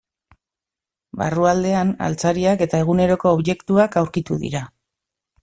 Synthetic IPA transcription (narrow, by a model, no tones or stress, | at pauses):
ba̰ruald̪e̞ana̰lt͡saɾiake̞t̪ae̞ɣ̞une̞ɾo̞ko̞ːβje̞kt̪uakawɾkit̪uðḭɾa